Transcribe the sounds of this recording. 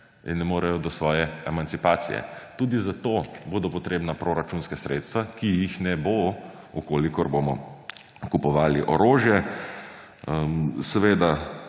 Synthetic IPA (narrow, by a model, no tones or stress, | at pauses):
ḭnːɛmoːɾɛjɔd̪ɔsʋɔːjɛɛmant̪sipaːt̪sḭjɛ̰t̪uːd̪izat̪oːboːd̪ɔpɔt̪ɾeːbnapɾoɾat͡ʃunskasɾeːt̪st̪ʋakijixnɛbo | ukoːlikɔɾbomɔ | kupɔʋaːliʔɔɾoːʒjɛ | əmsɛʋeːd̪a